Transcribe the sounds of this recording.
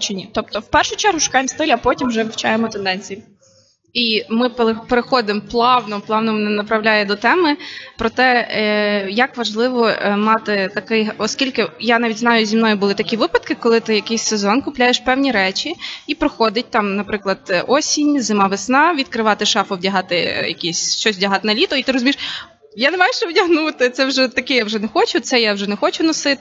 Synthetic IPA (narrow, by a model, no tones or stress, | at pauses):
t͡ʃɪnʲit̪ɔp̚t̪ɔwpɛrʃʊt͡ʃɛɾɦʊʃʊ̥kɑjɪmst̪ɪlʲɐpɔtʲimwʒɛʋɪwt͡ʃajemɔt̪end̪ɛnʲt͡sʲiji | imɪppeɾexɔd̪ɪmplˠɑwnɔplˠɑwnɔmɪnɛnɐpɾɐwlʲajɛd̪ɔt̪ɛmɪpɾɔt̪ɛ | jɐkʋɐʒlˠɪʋɔmɑt̪ɪt̪ɐkɪjɦɔskʲilʲkɪjanɑʋʲidʲznɑjʊzʲimnɔjʊbʊlˠɪt̪ɐkʲiʋɪpɐt̪kɪkɔlˠɪt̪ɪjɐkɪjsʲsezɔnkʊplʲajeʃpɛwnʲiɾɛt͡ʃʲiipɾɔxɔd̪ɪt̚ʲt̪ɑmnɐpɾɪklˠɐd̪ɔsʲinʲzɪmɑʋɪsnɑʋʲid̪kɾɪʋɑt̪ɪʃɑfɔwdʲɐɦɑt̪ɪjɐ̰kʲisʲʃt͡ʃɔsʲʋdʲɐɦɑt̪ɪnɐlʲit̪ɔit̪ɪɾɔzʊmʲiʃ | janemɑjeʃt͡ʃɛwdʲɐɦnut̪ɪt̪sɛwʒɛt̪ɐkɪjawʒɛnɛxɔt͡ʃʊt̪sɛjawʒɛnɛxɔt͡ʃʊnɔsɪt̪ɪ